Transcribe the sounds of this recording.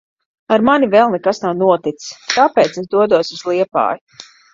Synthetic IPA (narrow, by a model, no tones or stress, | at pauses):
aɾmanivɛːlˠnɛkasnawnuɔt̪it̪st̪apeːt̪esd̪uɔd̪uɔsuz̥lˠiɛpa̰ːju